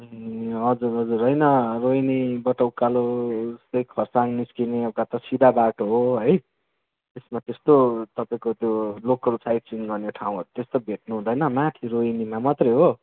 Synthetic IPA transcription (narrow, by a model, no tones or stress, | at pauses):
ɦʌd͡zuɾɦʌd͡zuɾɦʌjnʌrojnibʌʈʌwkalost̪ʌjkʰʌrsaŋniskineʌkat̪ʌsid̪ʱabaʈoɦoɦʌj | t̪esmat̪est̪ot̪ʌpaĩkot̪jolokʌlsajʈ̚t͡siŋɡʌrneʈʰaũɦʌɾut̪est̪obʱeʈ̚nuɦũd̪ʌjnʌmat̪ʰiɾoinimamʌt̪rʌjɦo